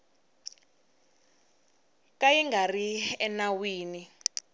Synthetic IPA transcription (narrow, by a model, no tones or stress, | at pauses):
kajɛŋɡariɛnawiːni